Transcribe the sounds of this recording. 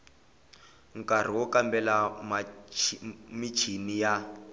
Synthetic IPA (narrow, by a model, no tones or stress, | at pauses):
ŋ̩kar̤iwɔkambɛlama | mit͡ʃʰinija